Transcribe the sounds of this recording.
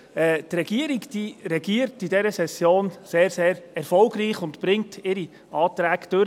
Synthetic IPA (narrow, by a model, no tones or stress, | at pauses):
ɛːtrɛɡ̥iəɾiɡd̥iːɾɛɡiːəɾtidɛɾəsɛsjoːnseːɾseːɾɛɾfɔlɡriːχʊntb̥ɾɪŋtʰɪɾi | ɑːtɾæːɡd̥øɾ